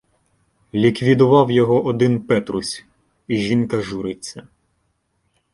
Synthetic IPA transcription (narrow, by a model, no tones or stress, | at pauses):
lʲikʋʲid̪ʊʋɑwjɔɦɔʔɔd̪ɪnpɛt̪ɾʊsʲ | iʒinkɐʒuɾɪt͡sʲːɐ